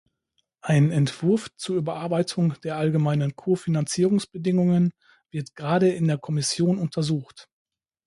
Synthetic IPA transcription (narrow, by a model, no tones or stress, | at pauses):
ʔaɪnnɛntv̥ɪɐft͡suːɐybɐʔaɐbaɪtʰʊŋd̥eːɐʔalɡəmaɪnənkʰoːɐfinant͡siːʁʊŋsb̥ədɪŋʊŋən | v̥ɪɐtɡ̥ʁaːɾəɪndeːɐkʰɔmɪsjoːnʊntʰɐzuːxt